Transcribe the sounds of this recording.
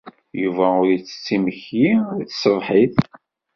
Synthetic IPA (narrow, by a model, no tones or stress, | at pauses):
juvæʊɾjit͡sːə̥t͡sːiməçjit͡sːsəvˤħiθ